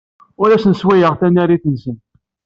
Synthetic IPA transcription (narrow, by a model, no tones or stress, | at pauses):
ʊɾæsənswæjəʁθænːæɾiθənsən